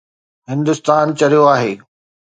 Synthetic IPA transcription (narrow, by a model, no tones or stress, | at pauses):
ɦɪ̃nd̪ʊst̪aːnt͡ɕɐɾijoaːɦeː